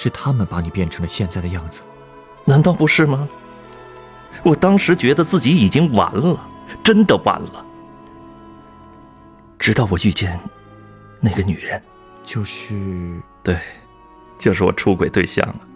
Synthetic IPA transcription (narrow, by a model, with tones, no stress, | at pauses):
ʂɻ̩˥˩t̪ʰa˥mə˨npa˧˥ni˨˩pjɛ˥˩nʈ͡ʂʰɤ˧˥ŋlə˧ɕjɛ˥˧nt͡sa˥˩ɪd̪ə˩jɑ˥˩ŋd͡zɹ̩˩ | na˧˥nt̪ɑ˥˩ʊpu˧˥ʂɻ̩˥˩mɐ˩ | wɔ˨˩t̪ɑ˥ŋʂɻ̩˧˥t͡ɕɥɛ˧˥d̪ə˧t͡sɹ̩˥˩t͡ɕi˧˥i˨˩t͡ɕi˥ŋwa̰˧˥nlə˨ʈ͡ʂə˥nd̪ə˨wa̰˧˥nlə˧ | ʈ͡ʂɻ̩˧˥t̪ɑ˥˩ʊwɔ˨˩y˥˧t͡ɕjɛ˥˩n | na˥˩ɡə˩ny˨˩ɻə˧˥n | t͡ɕjo˥˧ʊʂɻy˥˩t̪we˥˩ɪ | t͡ɕjo˥˧ʊʂɻ̩˥˩wɔ̰˨˩ʈ͡ʂʰu˥kwe˨˩ɪt̪we˥˧ɪɕjɑ̰˥˩ŋlə˩